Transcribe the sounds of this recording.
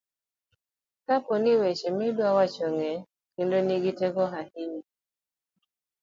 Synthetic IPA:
kaponɪwet͡ʃemɪdwawat͡ʃoŋe | kindoniɡitekɔɦahini

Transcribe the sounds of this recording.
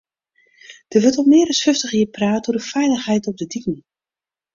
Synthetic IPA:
d̥əʋøtɔlmɪəɾəsfʏftəxjiəpraːtuədəfɛjləxɦɛjtɔp̚dədikn̩

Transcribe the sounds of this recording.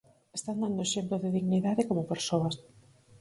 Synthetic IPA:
est̪and̪and̪oeʃemploðɪðiɣniðaðɪkomopeɾsoɐs

